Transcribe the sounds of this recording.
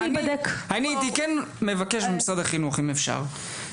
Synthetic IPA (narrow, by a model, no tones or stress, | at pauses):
bad̪ekhanit̪ikɛnmevakeʃbemsad̪aχinuχimefʃa̰ʁ